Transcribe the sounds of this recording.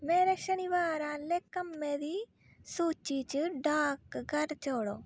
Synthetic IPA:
meːɾeːʃɐniʋaːɾãːleːkːɐmːẽːd̪i | suːt͡ʃiːt͡ʃɨɖaːkɡɐɾt͡ʃoːɽoː

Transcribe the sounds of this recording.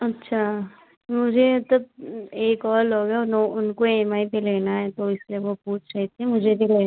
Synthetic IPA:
ɐtːʃʰa | mʊd͡ʒʱemɐt̪ləb̚eːkɔːɾloːɡaʊnoʊnkoemaːipeleːnaɦɛt̪oɪslieʋopuːt͡ʃʰɾɛɦt̪eɦɛ̃mʊd͡ʒʱebʱileː

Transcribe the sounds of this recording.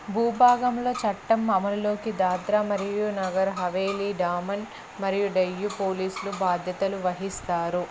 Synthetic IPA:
bʱuːbʱaːɡɐmlo̞ːt͡ʃɐʈːɐmːɐmɐllo̞ːkid̪aːd̪ɾaːmɐɾijunɐɡɐɾɦɐʋeːliɖaːmɐn | mɐɾijuɖɐjːupo̞ːliːslubaːd̪ʱjɐt̪ɐluʋɐɦist̪aːɾu

